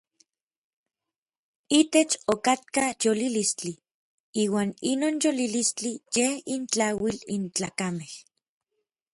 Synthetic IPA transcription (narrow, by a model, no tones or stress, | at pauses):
it̪et͡ʃokat̪̚kajolilist͡ɬi | iːwaːninoːnjolilist͡ɬijehint͡ɬawilint͡ɬa̰ːkameh